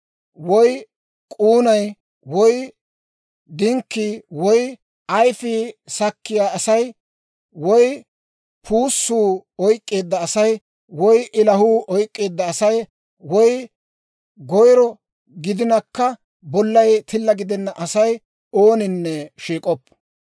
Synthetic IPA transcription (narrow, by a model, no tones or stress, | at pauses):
wɔj | kʼuːnɐj | wɔj | d̪ɪŋkːiwɔj | ɐjfisɐkːɪjaːɐsɐj | wɔj | pʰuːsːuːɔjkʼːe̞ːd̪ːɐːsɐj | wɔjʔɪlɐhuːʔɔjkʼːe̞ːd̪ːɐːsɐj | wɔj | ɡɔjɾɔ | ɡɪd̪ɪnɐkːɐ | bɔlːɐjt̪ʰɪlːɐɡɪd̪ɛnːɐʔɐsɐj | o̞ːnɪnːɛʃiːkʼɔpː